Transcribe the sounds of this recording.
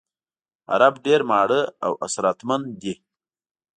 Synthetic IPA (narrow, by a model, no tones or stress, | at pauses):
a̰ɾabɖeɾmaːɽəa̰wʔa̰sɾaːt̪mand̪i